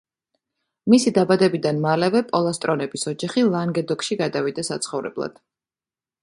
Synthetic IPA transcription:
misid̪abad̪ɛbid̪anmalɛvɛpʼɔlˠast̪ʼɾɔnɛbisɔd͡ʒaχilˠaŋɡɛd̪ɔkʰʼʃiɡad̪avid̪ɛsat̪sʰχɔvɾɛ̰blˠa̰d̪̥

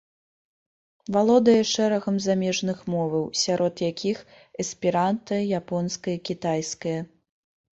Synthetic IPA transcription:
valˠɔd̪ɐjɐʂɛɾɐɣɐmzamʲɛʐnɨxmɔvɐwsʲaɾʔɔt̪jakʲʰix | ɐspʲiɾant̪ɐɐjapɔnskɐjɐkʲit̪ajskɐjɐ

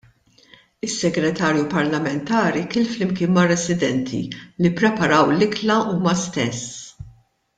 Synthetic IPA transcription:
ɪsːɛɡɾɛt̪ɐːɾjupɐɾlɐmɛnt̪ɐːɾikɪːlflɪmkɪːnmɐrɛsɪd̪ɛnt̪ʰḭlipːɾɛpɐɾɐwlɪklɐuːmɐst̪ɛsː

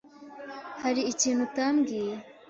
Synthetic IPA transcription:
haɾiːciːnhutamɡi

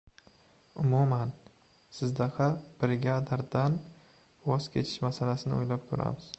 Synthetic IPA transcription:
ʊmuman | sɪzd̪ahab̥ɾɪɡʲad̪aɾd̪an | vɒz̥kʲʰe̞t͡ʃʰɪ̥ʃmasalasɪnɪ̰ojlap̚kʰʊɾa̰mɪz̥

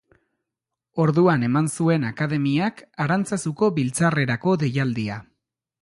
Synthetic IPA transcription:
o̞ɾðuane̞mansue̞nakaðe̞miakaɾant͡sasuko̞βilt͡sare̞ɾako̞ðe̞jald̪ia

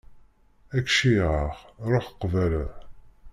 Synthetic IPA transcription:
ækʃiʁəχɾˤoħqːvælə

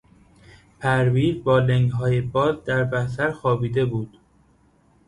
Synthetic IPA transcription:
pʰæɾviːzbɒːleŋɡɦɒːjebɒːzd̪æɾbæsæɾxɒːbiːd̪e̞buːd̪̥

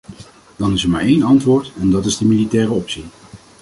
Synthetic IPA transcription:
d̥ɑnɪsɛɹma̰ːɹejnɑntʋʊːɹtɛndɑtɪzdəmilitɛːrəɔpsi

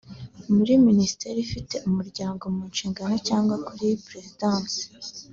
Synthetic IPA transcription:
muɾiminisi̥te̞ɾifite̞ʔumuɾɟaːŋɡo̞muːnʃiːŋɡano̞caːŋɡwakuɾipɾe̞zidaːnsi̥

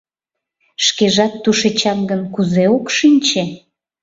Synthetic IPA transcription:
ʃkeʒɑt̪ːuʃet͡ɕɑmɡənkuzeokʃinʲt͡ɕe

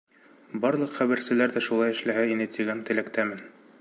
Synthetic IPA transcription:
bɑɾlˠɤqχæβɘ̆ɾsɘ̆læɾðæʃulˠɑjɘ̆ʃlæɦæinɘt̪iɡænt̪ɘ̆lækt̪æmɘn

